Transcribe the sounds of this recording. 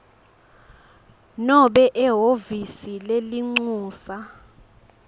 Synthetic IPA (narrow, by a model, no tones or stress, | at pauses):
nɔɓɛʔɛɦovisileliŋ͡ǀuːsa